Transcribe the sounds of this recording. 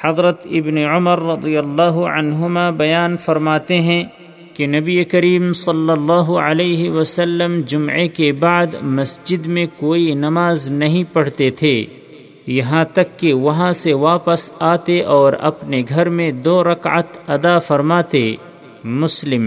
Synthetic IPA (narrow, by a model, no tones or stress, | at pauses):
hɐd̪ɾət̪ɪbneʕʊməɾːɐd̪ijəlːaːɦʊʕɐ̰nɦʊmabɐjaːnfɐɾmaːt̪eɦɛ̃ | kenɐbiekɐɾiːmsɐlːɐlːaːɦʊəleːɦɪwɐsəlːəmd͡ʒʊmʕekebaːd̪mɐsd͡ʒɪd̪mẽkoːinɐmaːznɐɦĩpɐɽ̤t̪et̪ʰeː | jɐɦãt̪ɐkːeʋɐɦãseʋaːpəsaːt̪eʔɔːɾɐ̰pneɡʱɐɾmẽd̪oːɾɐkə̰t̪ɐd̪afɐɾmaːt̪e | mʊslɪm